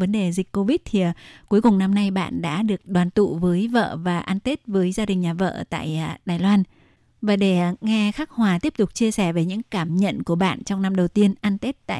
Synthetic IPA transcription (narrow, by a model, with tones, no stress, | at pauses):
və˨˦nɗe˨˩zi˨˩k̟ko˧vi˦˥t̚t̪ʰi˨˩˨ku˨˦jkʊ˨˩ŋ͡mna˧mna˧jɓa̰ː˧˨nɗa̰ː˧˥ɗɨ˨˩ək̚ɗwaː˨˩nt̪ṵ˧˨vəː˨˦jvə̰ː˧˨vaː˨˩ʔaː˧nt̪e˦˥t̚vəː˨˦jzaː˧ɗï˨˩ŋ̟ɲaː˨˩və̰ː˧˨t̪a̰ː˧˨jɗaː˨˩jlwaː˧n | vaː˨˩ɗe˧˩ŋɛ˧xaː˦˥k̚hwaː˨˩t̪i˦˥əp̚t̪ʊ˨˩k͡p̚t͡ɕi˧əsɛ˧˩ve˨˩ɲɨ̰˧˥ŋkaː˧˩mɲə̰˧˨nku˧˩əɓa̰ː˧˨nt͡ɕɔ˧wŋ͡mna˧mɗə˨˩wt̪i˧ənʔa˧nt̪e˦˥t̚t̪a̰ː˧˨